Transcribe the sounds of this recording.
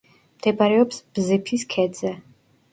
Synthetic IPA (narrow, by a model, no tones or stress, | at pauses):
md̪̥ʰɛbaɾɛɔpsb̥zɨpʰiskʰɛd̪zɛ